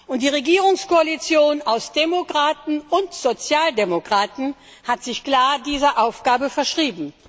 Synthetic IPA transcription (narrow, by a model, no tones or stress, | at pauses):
ʊnt̚d̥iːʁeɡiːʁʊŋskoalit͡sjoːnaʊsd̥emokʁ̥aːtn̩ʊntz̥ot͡sjaːldemokʁ̥aːtn̩ | hatz̥ɪçkl̥aːɐdiːzɐʔaʊfɡ̥aːbəfɛɐʃʁ̥iːbm̩